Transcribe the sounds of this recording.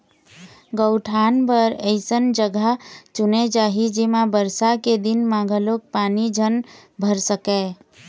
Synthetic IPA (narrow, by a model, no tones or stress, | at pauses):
ɡəʊʈʰaːnpəɾəɪsənd͡ʒəɡət͡ʃuned͡ʒaːɦid͡ʒemãbəɾsaked̪ɪnmãːɡʱəlok̚paːnid͡ʒʱənbʱəɾsəkɛ